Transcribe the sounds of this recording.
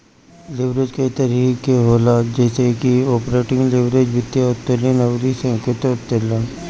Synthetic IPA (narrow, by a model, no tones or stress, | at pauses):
lɪʋɾed͡ʒkɐit̪ɐɾiːkeɦoːlad͡ʒɛːsekiɔːpɾeːʈɪ̃ŋɡlɪʋɾed͡ʒbɪt̪ːjaʊt̪ːelenɐwɾisɐ̃kɪt̪oʊt̪ːela